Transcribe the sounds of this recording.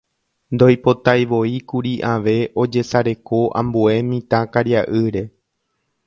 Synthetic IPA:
nd̪o̞jpo̞t̪ajʋo̞ikuɾiʔãʋe̞ʔo̞d͡ʒe̞saɾe̞ko̞ʔã̰mbue̞mĩt̪ãkaɾjaʔɨɾe̞

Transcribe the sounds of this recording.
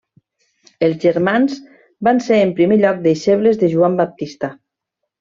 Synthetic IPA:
elˠzʒeɾmanz | banseəmpɾimeʎɔk̚d̪eiʃeβlezðeʒuambap̚t̪ist̪a

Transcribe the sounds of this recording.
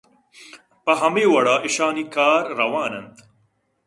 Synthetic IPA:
pɐɦɐmeːwɐɽaːʔiʃaːnikaːɾːɐwaːnɐnt̪

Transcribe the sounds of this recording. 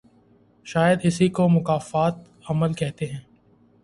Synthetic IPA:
ʃaːjəd̪ɪsikomʊkaːfaːt̪ | ɐməlkɛɦt̪eɦɛ̃ː

